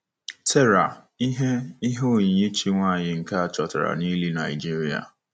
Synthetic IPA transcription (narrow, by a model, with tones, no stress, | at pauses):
tʰe˦ɾa˨ | i˦ɦe˦i˦ɦo˦o˦˨ɲi˨ɲe˦t͡ʃi˦ŋʷa˦˨ɲɪ˨ŋ̩˨ka˦a˨t͡ʃɔ˨ta˨ɾa̰˨ni˦li˦na˨ɪ˨d͡ʒi˦ɾi˨a̰˨